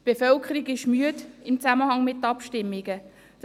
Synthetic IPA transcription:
tb̥efœlkʰəɾiɡɪʃmyədɪmt͡saməhɑŋmɪtːɑpʃtɪmːiɡə | d̥

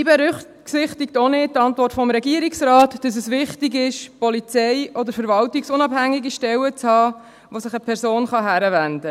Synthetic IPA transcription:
ibɛɾʏχ | sɪχtɪktonɪ̥tːɑntvɔrtfɔmɾɛɡiːɾiksɾɑːtd̥ɑs̬əsʋɪχtiɡɪʃpɔlit͡sɛjʔɔd̪əɾfəɾvɑltiksʊnɑbhæŋːiɡiʃtɛwət͡shɑː | ʋosɪχəpʰɛɾsoːnχɑɦæɾəvænd̪ə

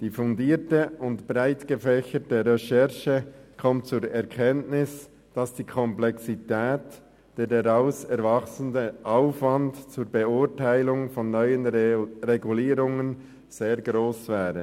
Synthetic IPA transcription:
d̥iːfʊndiːtəʊntbʁaɪtɡ̥əfɛçətəɾɛʃɛʁʃəkʰɔmt̚t͡suːɾɛɐkʰɛntnɪs | d̥ɑsd̥iːkʰɔmplɛksitʰɛːt | d̥eːɾdaʁaʊsɛɾvɑχsən̩dəʔaʊfvɑntt͡suːɾbeʊtaɪlʊŋfɔnːœʏənʁeɡuliːɾʊŋən | z̥eːɐɡʁoːsv̥ɛːʁə

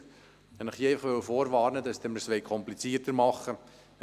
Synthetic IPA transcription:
ɛnɪχieɪfəχʋøwfɔːɾvɑːɾnəd̪ɑsd̥̪ɛməɾsʋɛɪkʰɔmplit͡siːtəɾmɑχːə

